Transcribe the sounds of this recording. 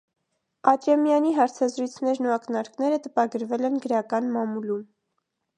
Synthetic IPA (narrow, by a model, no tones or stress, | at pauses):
ɑd̪ɾɑmjɑniɦɑɾt͡sʰɑzɾujt͡sʰnɛɾnuɑknɑɾknɛɾət̪əpɑɡəɾvɛlɛnɡəɾɑkɑnmɑmulum